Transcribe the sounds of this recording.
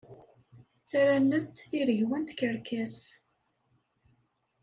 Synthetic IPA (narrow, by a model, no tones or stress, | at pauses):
t͡sːaɾanːæst̪θiɾʝwənt̪kəɾkæs